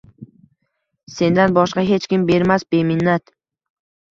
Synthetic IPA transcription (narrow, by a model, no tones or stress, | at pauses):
se̞nd̪anbɒʃqɑɦe̞t͡ʃkʲɪmbe̞ɾmas̚be̞mɪnːat̪